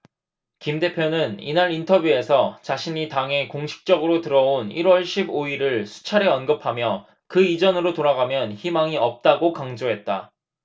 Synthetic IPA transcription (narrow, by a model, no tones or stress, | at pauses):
kimde̞pʰjonɯnḭnaɾintʰʌbjue̞sʰʌt͡ɕaɕʰiɲitaŋe̞koŋɕʰi̥k̚t͡ɕ͈ʌɡɯɾotɯɾʌoniɾwʌɭɕʰiboiɾɯɭsʰu̥t͡ɕʰaɾeʌnɡɯpʰamjʌ | kɯid͡ʑʌnɯɾotoɾaɣamjʌnçimaŋiʌp̚t͈aɡokaŋd͡ʑoɦe̞t̚t͈a̰